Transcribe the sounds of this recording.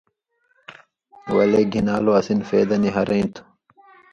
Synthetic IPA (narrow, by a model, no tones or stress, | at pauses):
wɐ̰leɡʱinaːloɐsinfeːd̪ɐniɦɐɾɐĩnt̪ʰ